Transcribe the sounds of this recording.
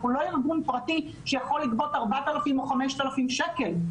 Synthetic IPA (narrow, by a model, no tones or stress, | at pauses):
ulo̞iʁbunpʁati | ʃejaχo̞lːikbo̞t̪aʁbat̪alafimoχameʃt̪alafimʃeke̞l